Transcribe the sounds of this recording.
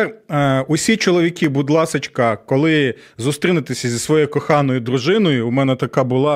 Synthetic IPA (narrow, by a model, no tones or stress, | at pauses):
ʊsʲit͡ʃɔlˠɔʋʲikʲibud̪lˠɑsɐt͡ʃkɐkɔlˠɪ | zʊst̪ɾʲinɪt̪ɪsʲɐzʲisʋɔjejkɔxɑnɔjʊd̪ɾʊʒɪnɔjʊːmɛnɛt̪ɐkɑbʊlˠɑ